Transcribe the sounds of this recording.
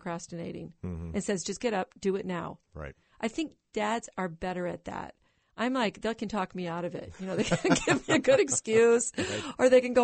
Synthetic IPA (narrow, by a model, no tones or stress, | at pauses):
kʰɹ̥æstɨneɪɾɪ̰̃ŋʔɨ̃nsɛzd͡ʒʌsɡ̥ɛɾʌp̚d̥ɨɪtⁿnaʊɹa̰ɪt̚ | ʔaɪθɪ̃ŋk̚d̥ædz̥ə˞bɛɾə˞ɨt̪̚ðæ̰t̚ | ʔãɪ̃mlaɪk̚ðɨkʰɨ̃ntʰɔkmiaʊɾʌvɪ̰t̚jɨñoʊðeɪkʰnɡɪvmiɨɡʊɾɨkskjʉz̥ə˞ðeɪkɨ̃nɡo